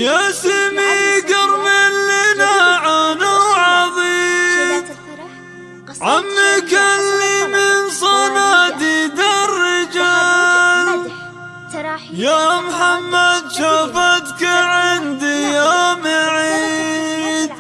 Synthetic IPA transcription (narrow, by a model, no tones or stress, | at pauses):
jasɪmiɡɑɾmɪlːɪnaʕanawʕɑðˤiːm | ʕamːikalːimɪnsˤɑnaːd̪id̪arːɪd͡ʒaːl | jamħamːad̪ʃafad̪kaʕɪnd̪ijamaʕiː | d̪̚